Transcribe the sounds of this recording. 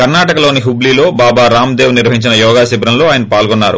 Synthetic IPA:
kɐɾnaːʈɐkɐloːniɦubliːlo̞ːbaːbaːɾaːmd̪eːʋuniɾʋɐɦiɲt͡ʃinɐjɔːɡaːsibɾɐmlo̞ːaːjɐnɐpaːlɡonːa̰ːɾṵ

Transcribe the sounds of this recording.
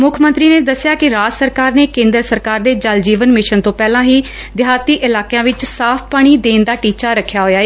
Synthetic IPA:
mʊkʰmənt̪ɾiːneːd̪əsːjaːkɪɾaːd͡ʒsəɾkaːɾneːkẽːnd̪əɾsəɾkaːɾd̪eːd͡ʒəld͡ʒiːʋənmɪʃənt̪õːpɛːlãːɦiː | d̪ɪɦaːt̪iːʔɪlaːkejãːʋɪt͡ʃsaːpʰpaːɽ̃iːd̪eːnd̪aːʈiːt͡ʃaːɾəkʰːjaːɦoːjaːeː

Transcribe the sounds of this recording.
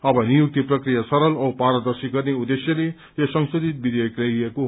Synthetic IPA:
ʌbʌnijuk̚t̪iprʌkrijasʌɾʌlʌpaɾʌd̪ʌrsiɡʌrneud̪esjʌle | josʌŋsod̪ʱit̪̚bid̪jʌjklʌeko

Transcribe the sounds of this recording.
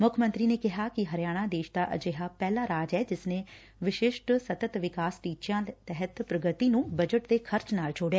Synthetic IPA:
mʊkʰmə̃nt̪ɾiːneːkɪɦaːkɪɦəɾjaːɽ̃ãːd̪eːʃd̪aːʔə̰d͡ʒeːɦaːpɛːlaːɾaːd͡ʒɛːd͡ʒɪsneː | ʋɪʃɪʃʈsət̪ət̪ʋɪkaːsʈiːt͡ʃjãːt̪ɛɦət̪pɾəɡət̪iːnũːbəd͡ʒəʈd̪eːkʰəɾt͡ʃnaːld͡ʒʰoːɽjɛː

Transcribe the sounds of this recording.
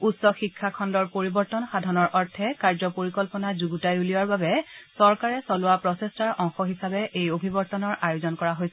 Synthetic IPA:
utsɔxikʰːakʰɔndɔɹpoɹibɔɹtɔnxadʱɔnɔɹʔɔɹtʰɛkaɹzɔpoɹikɔlpɔnazuɡutajuliaɹbabɛsɔɹkaɹɛsɔlʊwapɹɔsɛstaɹʔɔ̃ŋxɔɦisabɛʔejobʱibɔɹtɔnɔɹʔajozɔnkɔɹaɦojsɛ

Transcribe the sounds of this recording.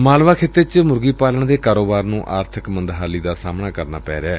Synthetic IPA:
maːlʋaːkʰɪt̪ːet͡ʃmʊɾɡiːpaːləɳd̪eːkaːɾoːbaːɾnũːʔaːɾt̪ʰəkmənd̪ɦaːliːd̪aːsaːmnaːkəɾnaːpɛ̰ːɾɛː

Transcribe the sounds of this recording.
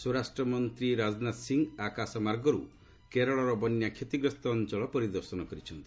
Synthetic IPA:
suɾasʈɾɔmɔnt̪ɾiɾad͡ʒɔnat̪siŋɡakasɔmaɾɡɔɾu | keɾɔɭɔɾɔbɔnjakʰjet̪iɡɾɔst̪ɔːnt͡ʃɔɭɔpɔɾid̪ɔɾsɔnɔkɔɾit͡ʃʰɔnt̪i

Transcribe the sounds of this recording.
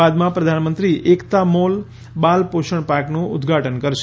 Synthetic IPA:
ad̪mãpɾəd̪ʱanmənt̪ɾiʔekt̪amol | balpoʃəɳ̃paɾknũʊd̪ɡʱaʈənkəɾʃ

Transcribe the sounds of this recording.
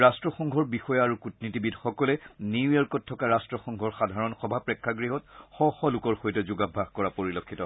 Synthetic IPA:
ɹastɹɔxɔŋɡʱɔɹbixɔjaɹukutnitibidxɔkɔlɛniujɔɹkɔt̚tʰːɔkaɹastɹɔxɔŋɡʱɔɹxadʱaɹɔnxɔbʱapɹɛkʰːaɡɹiɦɔtxɔxɔlukɔɹxojtɛzuɡabʱːahkɔɹapoɹilɔkʰːitɔ

